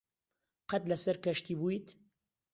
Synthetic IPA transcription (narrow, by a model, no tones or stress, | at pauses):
qɐt̪lɐsɐɾkɐʃt̪ibuit̪